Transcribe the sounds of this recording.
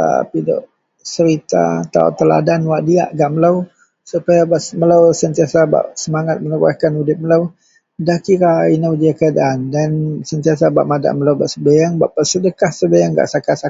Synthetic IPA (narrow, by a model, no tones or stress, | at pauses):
a̰pidɔ̰ʔ | səɾit̪a̰t̪a̰ɔ̰ʔt̪əla̰danwaʔdia̰ʔɡaʔməlaw | supajabaʔsməlawsənt̪iasaba̰ʔsəmaŋat̪̚mənəɾua̰hkanudɪp̪̚məlaw | dakiɾainawdiakəadaʔandansənt̪iasaba̰ʔmada̰ʔməlawba̰ʔsəbajaŋbaʔpasədəkahsəbajaŋɡa̰ʔsakasa